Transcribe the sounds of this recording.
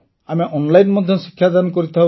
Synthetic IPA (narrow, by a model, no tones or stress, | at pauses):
ameʔɔnlajnmɔd̪ʱjɔsi̥kʰːjad̪ankoɾit̪ʰa